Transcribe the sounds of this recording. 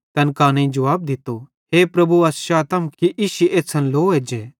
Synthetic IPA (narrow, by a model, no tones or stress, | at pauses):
t̪ɐnkaːnẽĩd͡ʒɐʋaːb̚d̪ɪt̪ːo | ɦeːpɾɐbuɐsʃaːt̪ɐmkkiʔiʃiʔeːsʰɐnloːeːd͡ʒe